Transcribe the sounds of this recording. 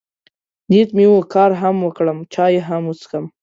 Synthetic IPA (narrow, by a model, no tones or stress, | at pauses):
nit̪miwokɑɾɦamwəkɽəmt͡ʃɑjeɦamut͡skəm